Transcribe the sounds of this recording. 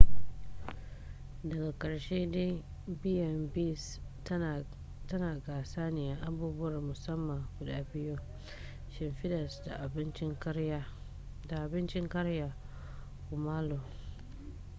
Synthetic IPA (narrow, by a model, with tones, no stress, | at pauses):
dɐ˨ɡa˨kɐ˨ɽʃeː˦de˦ | bɪ˦jɐ˨mbi˦˨s | tɐ˦naː˨ɡaː˨saː˦nɪ˨ja˦ʔa˨buː˦bʊ˦wɐ˨rmʊ˨sɐ˦mːɐ˨ŋkʷʊ˨daː˦bɪ˦jʊ˦ŋ | ʃɪ˨mɸɪ˦dɐ˨sda̰˨ʔa˨bɪ˦nt͡ʃɪ˦ŋ˦ | da˨ʔa˨bɪ˦nt͡ʃɪ˦ŋkɐ˦ɾja˨ | kʊ˨maː˦lo˨